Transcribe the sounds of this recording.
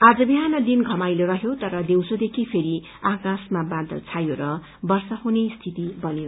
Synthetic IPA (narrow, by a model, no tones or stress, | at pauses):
ad͡zʌbiɦanʌd̪inɡʱʌmajloɾʌɦjot̪ʌɾʌd̪ewsod̪ekʰipʰeɾi | akasmabad̪ʌ̰lt͡sʰajoɾʌ | bʌrsʌɦunest̪ʰit̪ibʌnjo